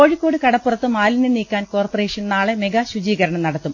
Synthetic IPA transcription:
ko̞ːɻikʲːo̞ːɽɨkɐɽɐppːurɐt̪ːɨmaːlineniːkʲːaːnko̞ːrpɐre̞ːʂɐnnaːɭemeɡɐɕud͡ʑiːɣɐɾɐɳɐmnɐɽɐt̪ːum

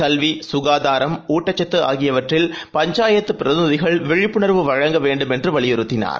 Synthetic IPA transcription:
kɐlʋisʊɣaːðaːɾɐmuːʈːɐt͡ʃːɐt̪ːɯa̰ːɣɪjɐʋɐʈrɪlpɐɲd͡ʒaːjɐt̪ːɯpːɪɾɐðɪnɯðɪɣɐɭʋɛɻɪpːʊɳɐɾʋɯʋɐɻɐŋɡɐʋeːɳɖɯmɛndrɯʋɐɭɪjɛɾɯt̪ːɪna̰ːɾ

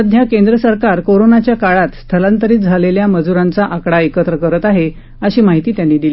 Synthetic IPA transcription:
əd̪ʱjakend̪ɾəsəɾkaɾkoɾonat͡ɕjakaɭat̪st̪ʰəlant̪əɾiːt̪̚d͡zʱaleljaməd͡zuɾant͡saʔakɽaekət̪ɾəkəɾət̪aɦe | əɕiːmaɦit̪iːt̪janːiːd̪iliː

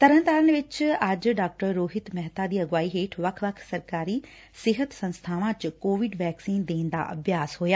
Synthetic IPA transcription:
t̪ɐɾə̃nt̪aːɾənʋɪt͡ɕɐd͡ʑɖaːk̚ʈəɾːoːɦɪt̪mɛɦt̪ad̪iːɐɡʋaːiɦeːʈʰʋɐkʰʋɐkʰsɐɾkaːɾi | sɪɦət̪sɐ̃nst̪ʰaːʋãt͡ɕʊkoːʋɪɖʋɛːksiːnd̪eːn̆d̪a̰ʔɐ̰bʱjaːsɦuːjaː

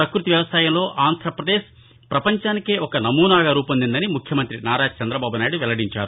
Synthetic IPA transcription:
ɾɐkɾut̪iʋjɐʋɐsaːjɐmlo̞ːʔaːnd̪ʱɾɐpɾɐd̪eːʃɐ | pɾɐpɐɲt͡ʃaːnikeːʔɔkɐnɐmuːnaːɡaɾuːpɐnd̪ind̪ɐnimukʰjɐmɐnt̪ɾinaːɾaːt͡ʃɐnd̪ɾɐbaːbunaːjiɽuʋɛlɐɽiɲt͡ʃaːɾu

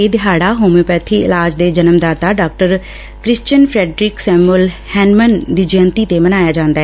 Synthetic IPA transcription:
eːd̪ɪɦaːɽaːɦoːmeːpɛːt̪ʰiːɪ̰laːd͡ʒd̪eːd͡ʒənəmd̪aːt̪aːɖaːk̚ʈəɾ | kɾɪst͡ʃənpʰɾɛːɖɾɪksɛːmʊl | hɛːnmənd̪iːd͡ʒə̃nt̪iːt̪eːmənaːjaːd͡ʒãːnd̪aːɛː

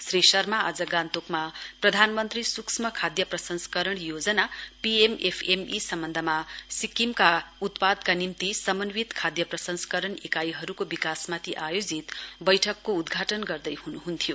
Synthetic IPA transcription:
srisʌrmaad͡zʌɡant̪okmaprʌd̪ʱanmʌnt̪risuksmʌkʰad̪jʌprʌsʌnsʌ̥kʌɾʌɳjod͡zʌnapiemepʰemisʌmbʌnd̪ʱʌmasikimkaut̪pad̪kanimt̪isʌmʌnwit̪kʰad̪jʌprʌsʌnskʌɾʌɳikajɦʌɾukobikasmat̪ʰiʔajod͡zit̪bʌjʈʰʌkːoud̪ɡʱaʈʌnɡʌrd̪ʌjhunuɦunt̪ʰijo

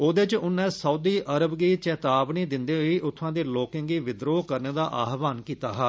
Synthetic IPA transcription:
oːd̪et͡ʃʊnːẽːsəuːd̪iːʔəɾəbɡiːt͡ʃɛːt̪aːbniːd̪ɪnd̪eːɦoiːʔʊt̪ʰːãːd̪eːloːkɪŋɡiːʋɪd̪ɾoːkəɾneːd̪aːʔaːɦʋaːnkiːt̪aːɦaː

